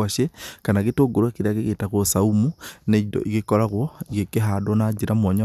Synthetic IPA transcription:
aʃekanaɣetoɡoɾwakeɾaɣeɣetaɣwɔsaumuneidɔ̰ʔiɣekɔɾaɣwɔiɣekeɦadwɔnad͡ʒiɾamwɔɲa

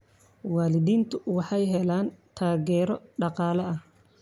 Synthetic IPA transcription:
waːlɪðiːnt̪ʰʊwɑħɑjɦɛlaːnt̪ʰaːɣɛːɾɔɖɑqɑːlɐɐh

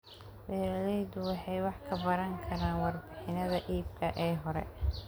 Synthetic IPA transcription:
wɛːɾɐlɛjðʊwɑħɑjwɑħkʰɐbɐɾɐŋkʰɐɾaːnwɑrbɪħɪnɐðɐʔiːb̚kʰɐʔɛːɦɔɾɛ̰

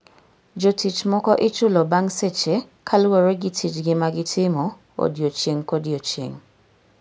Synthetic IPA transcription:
d͡ʒotit͡ʃmɔkɔʔɪt͡ʃʊlɔbaŋset͡ʃekʰalwoɾeɡɪtʰit͡ʃɡɪmaɡɪtʰɪmɔ | o̰djot͡ʃeŋkodjot͡ʃjḛŋ

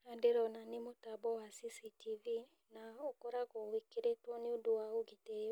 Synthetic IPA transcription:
adeɾɔnanemotabɔwasisitivi | naɔkɔɾaɣɔwekeɾetwɔneodowaoɡite

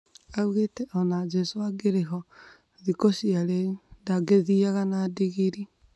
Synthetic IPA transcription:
auɣetɛɔnad͡ʒɛsoaɡeɾeɦɔ | ðikosiaɾendaɡeðiaɣanadiɣiɾi

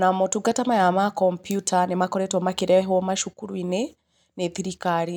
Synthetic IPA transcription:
namotuɡatamajamakɔmpjutanemakɔɾɛtɔmakeɾɛɦomaʃukuɾwine | neðiɾikaɾi

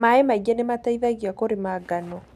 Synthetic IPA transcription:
maɛmaɣɛnemataiðaɣjakoɾemaɡanɔ

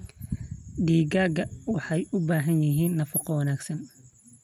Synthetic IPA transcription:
ɖiːɡaːɡɐwɑħɑjʊbaːɦɐnjɪɦiːnːɐfɐqɔwɐnaːɡsɐn

